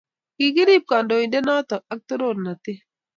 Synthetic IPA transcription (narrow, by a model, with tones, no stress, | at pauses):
ki˨ɡi˦di˦˨p̚ka˨ndo˨i˨de˦na˦tɔ˨a˦k̚to˦ɾo˦˨ɾna˨tɪ˦